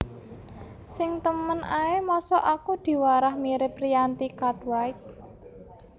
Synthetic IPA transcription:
sɪŋt̪əmənʔaemɔsɔʔakud̪̥i̤waɾahmiɾɪp̚rijant̪ikad̪wajk̚

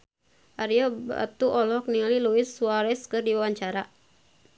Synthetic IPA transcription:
ʔaɾiɔba̰t̪uʔɔlɔk̚niŋaliluɪsuwaɾɛskɨrdiwawaɲt͡ʃaɾa

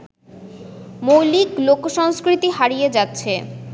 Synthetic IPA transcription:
mowliklokʃɔŋskɾit̪iɦaɾijed͡ʑatːɕʰe

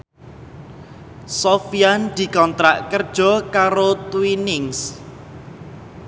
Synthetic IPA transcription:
sofiand̪̥i̤kɔnt̪ɾa̰ʔkərd̥ʒ̥ɔ̤kaɾot̪uwinɪŋs

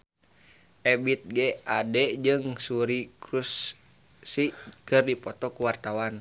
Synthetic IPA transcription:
ʔɛbit̪̚ɡɛadɛd͡ʒɨŋsuɾikɾusː | ikɨrdipɔt̪ɔkuwart̪awan

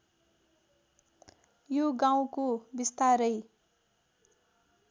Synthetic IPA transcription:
joɡaw̃kobist̪aɾʌj

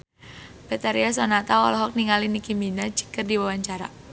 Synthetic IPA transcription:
b̥ɛt̪aɾiasɔnat̪awɔ̰lɔɦɔk̚niŋalinikiminad͡ʒi̥kərdiwawaɲt͡ʃaɾa̰

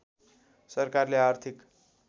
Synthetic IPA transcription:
sʌrkarleart̪ʰik

